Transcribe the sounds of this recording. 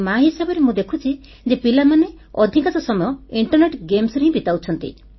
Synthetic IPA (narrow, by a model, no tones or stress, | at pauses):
maɦisabɔɾemũd̪ekʰut͡ʃʰi | d͡ʒepilamane | ɔd̪ʱikat͡ʃɔsɔmɔjɔiɳʈɔɾneʈɡemsɾeɦĩbit̪awt͡ʃʰɔnt̪ḭ